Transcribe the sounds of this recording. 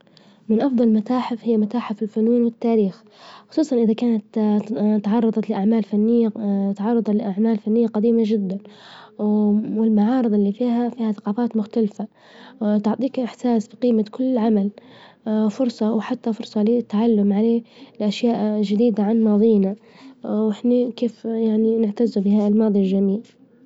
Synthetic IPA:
mɪnʔɑfd̪ˤɑlmat̪aːħɪfhɪjːamat̪aːħɪfɪlfʊnuːnwɪt̪ːaːɾiːx | xʊ̥sˤuːsˤɑnʔɪðakaːnat̪t̪ɑʕɑrˤːɑd̪ˤɑt̪lɪʔaʕmaːlfanːɪjːat̪ʕɑrˤːɑd̪ˤɑlɪʔaʕmaːlfanːɪjːaqad̪iːmaʒɪd̪ːan | wɪlmaʕɑːɾɨd̪ˤɪlːiːfiːɦafiːhaθḁqɑːfaːt̪mʊxt̪alfa | t̪ʊʕt̪ˤiːkʔɪħsaːsbiqiːmakʰʊlːɪʕamal | fʊɾsˤɑwħat̪ːafʊɾsˤɑlit̪ːaʕalːʊmʕaleːlɪʔaʃjaːʔʒɪd̪iːd̪aʕanmɑːðˤiːna | wɪħnakeːfjaʕninɪʕt̪azubɪhaːʔɪlmɑːd̪ˤilʒamiːl

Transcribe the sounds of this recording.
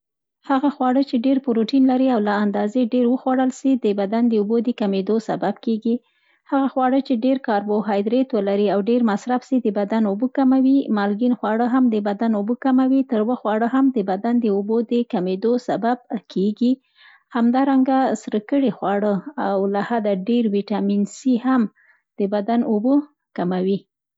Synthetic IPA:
haɣaxwɑɽət͡ʃeɖeɾpʊɾoʈinlaɾiawlaːnd̪ɑzeɖeɾwəxwaɽəlsid̪əbad̪and̪əobod̪əkamed̪osa̰babkeɡi | haɣaxwɑɽət͡ʃeɖeɾkɑɾboɦɑjd̪ɾet̪wəlaɾiawɖeɾmasɾafsid̪əbad̪anobəkamawimɑlɡinxwɑɽəɦamd̪əbad̪anobəkamawit̪əɾwəxwɑɽəɦamd̪əbad̪and̪əobod̪əkamed̪osabab̚kʰeɡi | hamd̪ɑɾaŋɡasɾəkəɽixwɑɽəawlahad̪aɖeɾwiʈɑminsiham | d̪̥əbad̪anobə | kamawi

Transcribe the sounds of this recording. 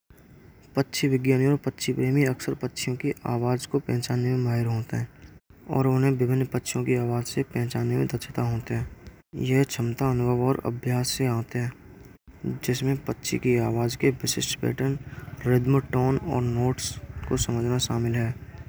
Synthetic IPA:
pətːʃʰiʋɪɡjaːnijɔːɾpətːʃʰipɾeːmiɐksəɾpətːʃʰijõkiʔa̰ːʋaːd͡ʒkopɛ̃ːt͡ʃaːnemẽmaːɦɪɾɦoːt̪eɦɛ̃ː | ɔ̰ːɾʊnɦẽʋɪbʱɪnːpətːʃʰijõkiaːʋaːd͡ʒsepɛ̃ːt͡ʃaːnemẽd̪ət͡ʃʰɪt̪aɦoːt̪eɦɛ̃ː | jɛɦt͡ʃʰəmt̪aənʊbʱəʋɔːɾə̰bʱjaːsːeãːt̪eɦɛ̃ː | d͡ʒɪsmẽpətːʃʰḭkiaːʋaːd͡ʒkeʋɪʃɪʃʈpɛ̰ːʈənɾɪd̪məʈoːnɔ̰ːɾnoːʈskosəməd͡ʒʱnaʃaːmɪlɦɛː

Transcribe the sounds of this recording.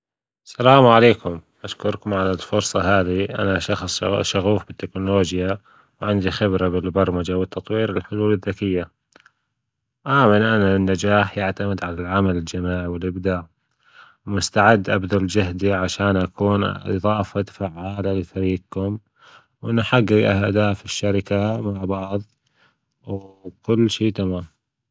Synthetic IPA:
salaːmʕaleːkʊm | ʔaʃkʊɾˤkʊmʕalɪlfʊɾsˤɑɦaːðiʔa̰naʃɑxsˤʃaɣuːfbɪt̪ːɪknʊloːd͡ʒja | wʕɪnd̪ixɪbɾabɪlbɑɾˤmad͡ʒawɪt̪ːɑt̪ˤwiːɾɪlħʊluːlɪðːakɪjːa | ʔaːmɪnʔananːad͡ʒaːħjaʕt̪amɪd̪ʕalalʕamalɪld͡ʒamaːʕiwɪlʔɪbd̪aːʕ | mʊst̪aʕɪd̪ːʔabd̪ald͡ʒahd̪iʕaʃaːnʔakʰuːnɨ̰ðˤɑːfat̪faʕːaːlalɪfaɾiːɡ̚kʊm | wʔɪnʔaħaɡːaɡʔa̰hd̪aːfɪʃːaɾɪkamaʕbɑʕðˤ | wkʊlːʃiːt̪amaːm

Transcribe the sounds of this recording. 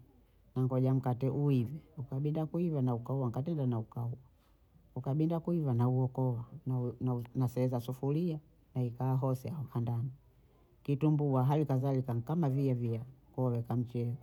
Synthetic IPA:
naŋɡɔʄam̩katɛʔuivɛukaɓindakuivanaukauwaŋkatɛndanaukauwa | ukaɓindakuivanauɔkɔwannasɛɛzasufulia | naikaaɦɔsɛaɔkandani | kitumbuwaɦalikazalikakamaviaviakɔwɛkam̩t͡ʃɛɔ

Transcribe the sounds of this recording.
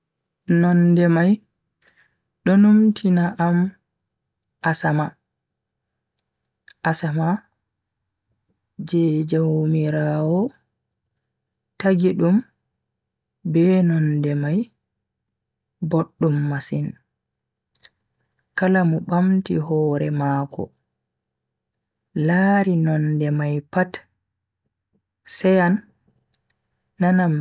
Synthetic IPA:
nɔndɛmaj | ɗɔnumtʰinaʔam | ʔasama | asama | d͡ʒɛd͡ʒawmiɾaːwɔ | taɡiɗum | bɛnɔndɛmaj | boɗːumːasin | kalamuɓamtḭɦɔːɾɛ̰maːkɔ̰ | laːɾinɔndɛmajpat | sɛjan | ana

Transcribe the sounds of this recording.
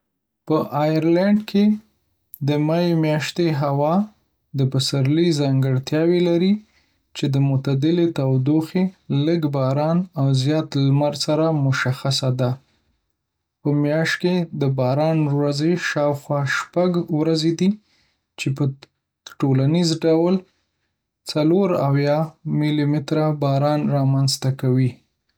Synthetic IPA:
pəʔɑjaɾlaɳɖkʰe | d̪əmajemjɑʃt̪eɦawɑ | d̪əpasaɾlizɑŋɡəɽt̪jɑwelaɾi | t͡ʃed̪əmʊt̪ad̪ɪlet̪awd̪oxeləɡbɑɾɑnawzjɑt̪lmaɾsaɾamʊʃaxasad̪a | pəmjɑʃt̪̚ked̪əbɑɾɑnɾwazeʃɑwxwɑʃpaɡwɾazed̪i | t͡ʃepə | ʈolanizɖawl | t͡saloɾawjɑmilimɪt̪ɾabɑɾɑnɾɑmanzt̪akawi

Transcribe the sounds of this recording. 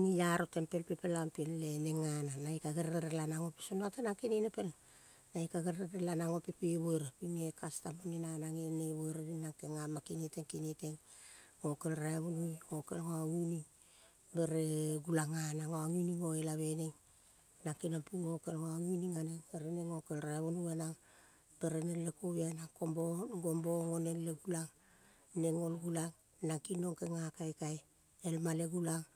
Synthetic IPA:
nijaɾote̞mpe̞lpipelampelːeneŋananaikaɡeɾɾeɾelanaŋo̞pi̥sonatanakininepe̞l | naikaɡeɾɾeɾelanaŋo̞pipiβojɾapinekastamuninanaŋeneβojɾaβinaŋkeŋamakiniteŋkiniteŋɡo̞kelɾaeβunujŋokḛlŋoaŋuni | beɾeɡulaŋanaŋoaŋuniŋoelaβe̞neŋ | naŋkinampuŋokelŋoaŋuniŋaneŋeɾeneŋokelɾaβonuanaŋ | b̥eɾenelekoβianaŋkomboɡomboŋonenleɡulaŋ | neŋolɡulaŋ | naŋkino̞ŋkeŋakajkaj | elmaleɡulaŋ

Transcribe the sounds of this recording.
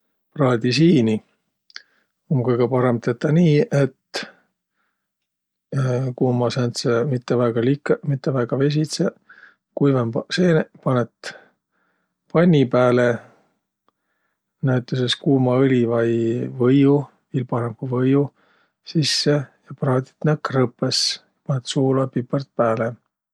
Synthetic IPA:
prɑːd̪is̬iːni | omkɤjɡ̥epɑɾe̞mt̪et̪ːɑniːe̞t̪ | kuːmɑsænt̪semit̪ːevæːɡ̥ɑlikːmit̪ːevæjɡ̥ɑve̞s̬it̪se | kujvemɑse̞ːnpɑnet̪ | pɑnʲːipæːle | næwt̪ːˑes̬eskuːmɑɤlʲivɑjvɤju | vilpɑɾemkuvɤju | sisːe̞jɑprɑːd̪ʲi̥t̪nækːrɤpːˑesjɑpɑnet̪suːlɑpipːɑrt̪̚pæːle

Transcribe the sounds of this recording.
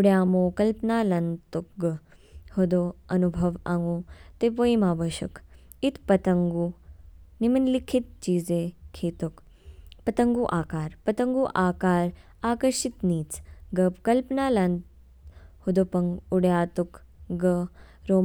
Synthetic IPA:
uɽjaːmoːkɐlpnaːlɐnt̪ukɡhud̪oɐnubʱɐʋaŋɡoːt̪eʋoːjimaːʋɐʃɐ̰kit̪ʰpɐt̪ɐŋɡuːnimɐnlikʰit̪̚t͡ʃiːzeːkʰeːt̪uk | pɐt̪ɐŋɡuːʔaːkaːɾpɐt̪ɐŋɡuːʔaːkaːɾ | aːkɐɾʃit̪niːt͡sɡɐpkɐlpnaːlɐnt̪ | hud̪opɐŋɡuɽjaːt̪uk | ɡɐ | ɾoː

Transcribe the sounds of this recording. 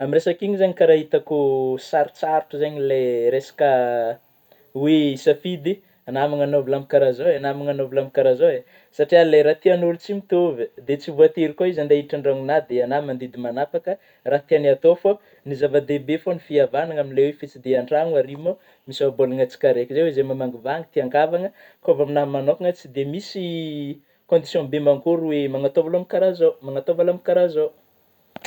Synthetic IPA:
amiresakiɲizaɲikaɾaɦit̪akusaɾit͡saɾuʈ͡ʂuzaɲileɾesḁkə | wesafid̪i | anamaŋanovilamikaɾazowanamaŋanovilamikaɾazowe | saʈ͡ʂialeɾat̪ianulut͡simit̪uvəd̪et͡sivuat̪iɾikoizand̪eɦiʈ͡ʂaɳɖ͡ʐaŋunad̪eanamand̪id̪imanapakə | rat̪eanat̪ofo | nizavad̪ebefonifiavanaŋaminilewefet͡sid̪eaɳɖ͡ʐaŋuaɾimo | misabolaŋət͡si̥kaɾekʲizewezemamaŋɡivaŋit̪iaŋɡavaŋə | kovaminamanokaŋət͡sid̪emisi | kõnd̪isjɔ̃bemaŋɡuɾwemaŋat̪ovalamikaɾazomaŋat̪ovalamikaɾazow

